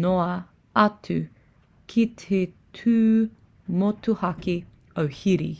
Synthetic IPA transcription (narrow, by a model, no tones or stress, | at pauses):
noɐ | ɐtʉ | kʰitʰetʰʉː | motuhɐki | owhiɾḭ